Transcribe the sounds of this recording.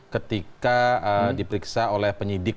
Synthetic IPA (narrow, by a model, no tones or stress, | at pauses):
kət̪ikaədipəɾiksaolɛhpəɲidɪk̚